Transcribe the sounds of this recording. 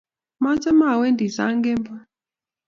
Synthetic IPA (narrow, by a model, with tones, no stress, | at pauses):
ma˦t͡sa˦ma˦˨wɛ˦ndi˨za̰˦ŋɡɛ˦mba˦